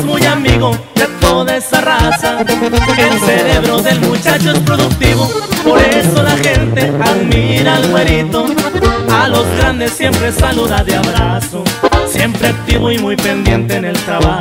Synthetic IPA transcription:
mujamiɣo̞ | d̪et̪o̞ðae̞sarasae̞lse̞ɾe̞βɾo̞ðe̞lmut͡ʃat͡ʃoespɾo̞ðuk̚t̪iβo̞po̞ɾe̞so̞laxe̞nt̪e̞aðmiɾalɣwe̞ɾit̪o̞alo̞zɣɾand̪e̞sːje̞mpɾe̞saluðaðeaβɾaso̞sje̞mpɾe̞ak̚t̪iβo̞imujpe̞nd̪je̞nt̪e̞ne̞lt̪ɾaβa

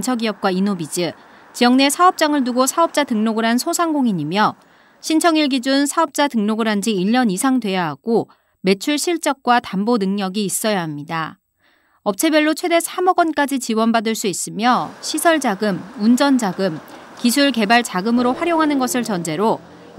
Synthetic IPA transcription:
nt͡ɕʰʌɡiʌp̚k͈wainobid͡ʑɯ | t͡ɕijʌŋne̞sʰaʌp̚t͡ɕ͈aŋɯɭnuɡosʰaʌp̚t͡ɕ͈atɯŋnoɡɯɾɦansʰosʰaŋɡoŋiɲimjʌ | ɕʰint͡ɕʰʌŋiɭɡid͡ʑunsʰaʌp̚t͡ɕ͈atɯŋnoɡɯɾɦand͡ʑiːʎːʌnisʰaŋdwe̞jaɦaɡ̥o | me̞t͡ɕʰuɭɕʰiɭt͡ɕ͈ʌk̚k͈watambonɯŋɲʌɡiːs͈ʌjaɦamɲida | ʌp̚t͡ɕʰe̞bjʌɭːot͡ɕʰwe̞de̞sʰamʌɡʌnk͈ad͡ʑit͡ɕiwʌnbadɯɭs͈uis͈ɯmjʌɕʰisʰʌɭd͡ʑaɡɯmund͡ʑʌnd͡ʑaɡɯm | kisʰuɭke̞baɭt͡ɕaɡɯmɯɾoɸwaɾjoŋɦanɯnɡʌsʰɯɭt͡ɕʌnd͡ʑe̞ɾo

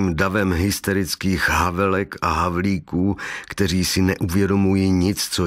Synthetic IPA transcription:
iːmdavɛmɦɪst̪ɛɾɪt͡skiːxɦavɛlɛkaɦavliːkuːkt̪ɛr̝iːsɪnɛʔuvjɛdo̞mujiːɲɪt͡st͡so

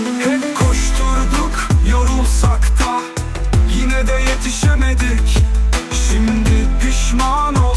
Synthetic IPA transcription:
hɛpkʰoʃt̪ʰuɾd̪ʊkjoɾulˠsakt̪ʰa | jinɛd̪ɛjet̪ʰiʃemed̪ikʲʃimd̪ɪpʰiʃmano

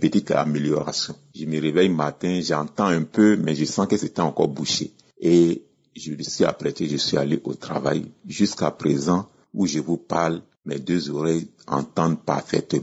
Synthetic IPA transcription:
pət̪it̪a̰meljɔʁa̰sjɔ̃ʒəməʁevɛjmat̪ɛ̃ʒãt̪ãɛ̃pømɛʒəsɑ̃kəset̪ɛãkɔ̰ʁbuʃḛ | e | ʒələsɥia̰pɾet̪eʒəswialeʔot̪ɾa̰va̰jʒyskapɾezã | uʒəvupaʁl | mɛd̪øzoɾɛj | ã̰t̪ãd̪pa̰ʁfɛ̰t̪m̃

